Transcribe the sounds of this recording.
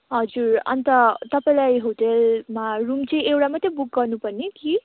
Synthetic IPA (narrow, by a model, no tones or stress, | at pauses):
ɦʌd͡zurʌ̰nt̪ʌt̪ʌpaĩlajɦoʈelmarumt͡sʌĩewʈamat̪ːebuk̚ɡʌrnupʌrneki